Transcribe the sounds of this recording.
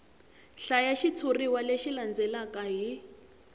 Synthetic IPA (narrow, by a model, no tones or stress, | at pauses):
ɬajaʃit͡sʰuriwaleʃiland͡zɛlakaɦi